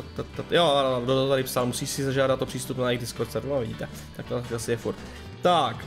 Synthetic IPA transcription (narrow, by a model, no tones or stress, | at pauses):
t̪at̪ːat̪joadot̪oot̪adɪpsalmusiːʃsɪzaʒaːdat̪opr̝̥iːst̪upnajɪɣdɪskoɾt̪sɛɾtuavɪɟḭːt̪ɛ | t̪ak̚t̪oasɪjɛfuɾt̪ | t̪ak